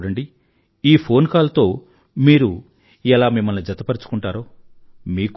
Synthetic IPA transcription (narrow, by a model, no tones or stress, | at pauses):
ɽɐɳɖi | iːpʰo̞ːnkaːlɐt̪o̞ː | miːɾu | ɛlaːmimːɐlnid͡ʒɐt̪ɐpɐɾt͡ʃu̥kuɳʈaːɾoː | miːk